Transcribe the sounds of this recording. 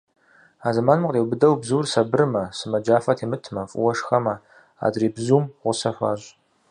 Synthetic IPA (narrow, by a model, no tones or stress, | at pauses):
aːzɐmaːnmqʼeːwbɨdɐwbzuːrsɐbɨrɨmɐsɨmɐd͡ʒaːfɐtʰeːmɨtʰmɐfʼʊ̰wɐʂxɐmɐ | a̰ːdriːbzuːmʁʷʊsɐɕʷaːɕ